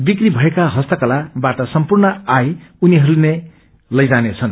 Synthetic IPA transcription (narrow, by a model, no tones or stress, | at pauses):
bikribʱʌekaɦʌst̪ʌkʌlabaʈʌsʌmpurnʌajuniɦʌɾune | lʌjd͡zanet͡sʰʌn